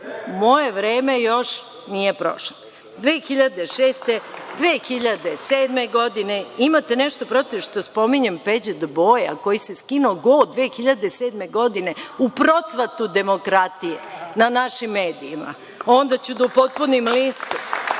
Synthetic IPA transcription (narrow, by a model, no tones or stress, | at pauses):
mo̞jeʋɾeːme̞jo̞ʃ | nije̞pɾo̞̰ʃo | d̪ʋeːxiʎad̪e̞ʃeːst̪ed̪ʋeːxiʎad̪eseːd̪me̞ɡo̞d̪ineimat̪eneʃt̪o̞pɾo̞t̪iʃt̪oospo̞miɲempe̞d͡ʑed̪bo̞ja̰ko̞jise̞skinoːɡoːd̪ʋeːxiʎad̪e̞seːd̪me̞ɡo̞d̪ine̞upɾo̞t̪sʋat̪ud̪e̞mo̞kɾat̪ijenanaʃimːe̞ːd̪iima̰ | o̞nd̪at͡ɕud̪aupo̞t̪̚punimlist̪um